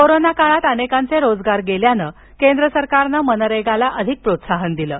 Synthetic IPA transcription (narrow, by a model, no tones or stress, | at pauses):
koɾonakaɭat̪ənekant͡seɾod͡zɡaɾɡeljanə | kend̪ɾəsəɾkaɾnəmənəɾeɡalaʔəd̪ʱik̚pɾot̪saɦənd̪iləː